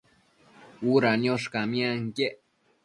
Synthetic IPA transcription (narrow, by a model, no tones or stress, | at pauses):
uɾanjoʂkamĩaŋkeʔ